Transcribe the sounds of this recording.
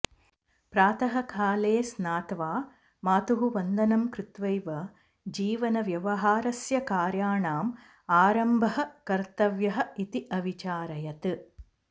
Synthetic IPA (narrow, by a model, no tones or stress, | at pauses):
pɾaːt̪ɐɦɐkʰaːleːsnaːt̪ʋaː | maːt̪uɦuʋɐnd̪ʱɐnɐmkɾɪt̪ʋɐjʋɐ | d͡ʒiːʋɐnɐʋjɐʋɐɦaːɾɐsjɐkaːɾjaːɳaːm | aːɾɐmbʱɐɦɐ̆kɐɾt̪ɐʋjɐɦɐit̪iʔɐʋit͡ʃaːɾɐjɐt̪ɨ